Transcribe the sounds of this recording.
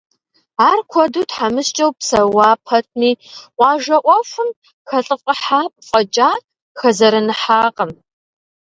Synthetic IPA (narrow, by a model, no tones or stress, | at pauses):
aːrkʷʰɔduːtħamɨst͡ʃʼɐwpsɐwɑːpʰɐtʰniːqʷɑːʒɐʔʷɔfʷʊm | xɐɬʼɨfʼqʼɐħaːpʼfʼɐt͡ʃʼaː | xɐzɐɾɨnɨħaːqʼɐm